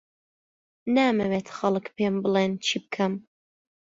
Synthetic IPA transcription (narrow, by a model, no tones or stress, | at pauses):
naːmɐwet̪xɐlɨkpeːmbɨlent͡ʃʰiːbɨkʰɐm